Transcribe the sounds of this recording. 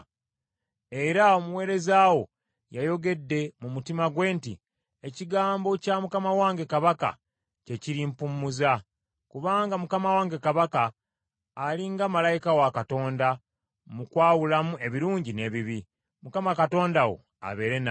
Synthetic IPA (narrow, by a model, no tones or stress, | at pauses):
e̞ɾao̞muwe̞ːɾe̞zawo̞ | jajo̞ɡe̞dːe̞mumutimaɡwe̞ːntḭ | eciɡaːmbo̞camukamawaːŋɡe̞kaβaka̰ | ce̞ciɾimpumːuza | kuβaːŋɡamukamawaːŋɡe̞kaβakaː | liŋɡamalajikawakato̞ːnda | mukwaːwulamue̞βiɾuːɲɟine̞βiβi | mukamakato̞ːndawo̞̰ | a̰βe̞ːɾe̞na